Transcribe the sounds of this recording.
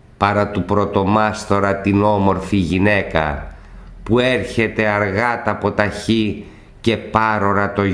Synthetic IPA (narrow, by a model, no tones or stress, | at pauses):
pɐɾɐt̪upɾo̞t̪o̞mɐst̪o̞ɾɐt̪ino̞mo̞ɾfiʝine̞kɐ̰ | pueɾçe̞t̪e̞ɐɾɣɐt̪ɐpo̞t̪ɐçi | ce̞pɐɾo̞ɾɐt̪o̞